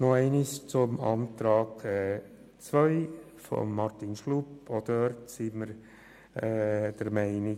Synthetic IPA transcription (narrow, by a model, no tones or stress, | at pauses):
noɛɪnist͡sʊmɑ̰ntɾɑːkɛ | t͡svœʏ | fɔ̰mːɑɾtinʃlupodøɾtsiməɾ | ɛd̥əɾmɛɪnɪ